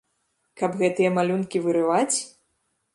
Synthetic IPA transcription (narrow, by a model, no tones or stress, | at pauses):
kɐbɣɛt̪ɨjɐmalʲunkʲivɨɾɨvat͡sʲ